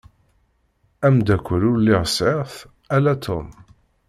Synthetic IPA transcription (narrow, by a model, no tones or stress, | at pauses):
æmd̪ækʷːəɾʊɾlːɪʁseʁθ | ælæt̪ʰo̰m